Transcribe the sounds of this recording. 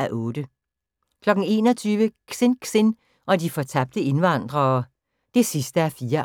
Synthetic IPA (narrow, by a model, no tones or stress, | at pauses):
æʔɔ̽ːd̥ə | kʰlɒ̽ɡ̥n̩e̝̰ːnɒ̽t͡sʰyːʋəkʰsenkʰsen | ʔɒ̽difɒ̽t͡sʰæb̥̚d̥əe̝nʋɑ̈n̰d̥ʁɐː | d̥e̝sisd̥əæfiːɐ